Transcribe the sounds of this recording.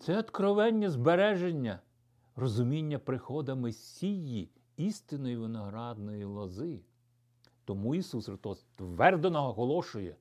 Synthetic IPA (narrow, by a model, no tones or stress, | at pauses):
t̪sɛɔt̪kɾɔʋɛnʲːɐzbeɾɛʒenʲːɐ | rɔzʊmʲinʲːɐpɾɪxɔd̪ɐmɪsʲiji | ist̪ɪnɔjiʋɪnɔɦɾɑd̪nɔjilˠɔzɪ | t̪ɔmuisusxɾɪst̪ɔst̪ʋɛrd̪enɔɦɔɦɔlˠɔʃʊjɛ